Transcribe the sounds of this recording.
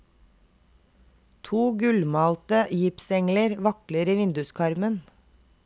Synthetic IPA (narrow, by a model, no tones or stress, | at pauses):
t̪ʰuːɡʉlmɑːlt̪əjɪpsɛŋləɾʋɑkləɾiːʋɪnd̪ʉskʰɑɾmən